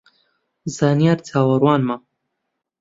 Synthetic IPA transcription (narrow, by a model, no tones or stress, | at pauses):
zaːnijaːɾt͡sʰaːwɐrwaːnma